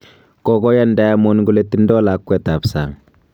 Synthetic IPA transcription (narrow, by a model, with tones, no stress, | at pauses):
kɔkɔ˦ja˦nda˦a˦mɔ˦nɡu˨le˦tːi˦ndɔ˦la˨kːwɛ˨ta˨psa̰˨ŋ